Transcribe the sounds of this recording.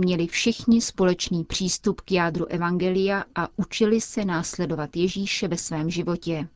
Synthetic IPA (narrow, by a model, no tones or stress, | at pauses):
mɲɛlɪfʃɪxɲɪspo̞lɛt͡ʃniːpr̝̥iːst̪upkjaːd̪ɾuʔɛvaŋɡɛlɪjaʔaʔut͡ʃɪlɪsɛnaːslɛdo̞vat̪jɛʒiːʃɛvɛsvɛːmʒɪvo̞cɛ